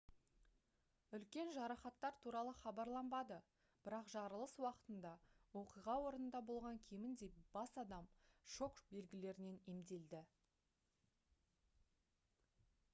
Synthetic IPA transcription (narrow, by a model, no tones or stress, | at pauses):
ʏlkʲe̞nʒɑɾɑχɑt̪ːɑɾt̪ʰuɾɑlˠəχɑbɑɾlˠɑmbɑd̪ə | b̥ɪɾɑqʒɑɾəlˠəswɑqə̥t̪ənd̪ɑwo̞qijʁɑwo̞ɾənənd̪ɑbo̞lˠʁɑŋkʲʰe̞mɪnd̪e̞b̥ɑsɑd̪ɑmʃo̞kbe̞lɡʲɪle̞ɾɪne̞ne̞md̪e̞ld̪ɪ